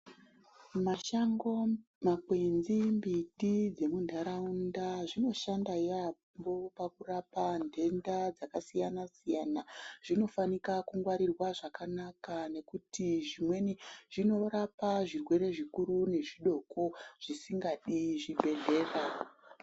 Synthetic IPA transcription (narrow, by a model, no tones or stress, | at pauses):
maʃaŋɡo | makwenzimbiɗid͡ze̞mundʱaɾaundaʐino̞ʃandaja | mbopakurapandʱe̞ndad͡zakasijanasijanaʐ̥ino̞fanikakuŋɡwaɾirwaʐakanakane̞kutiʐimwe̞niʐ̥ino̞ɾapaʐirwe̞ɾe̞ʐikuɾune̞ʐiɗo̞koʐ̥isiŋɡaɗiʐiɓʱe̞ɮe̞ːra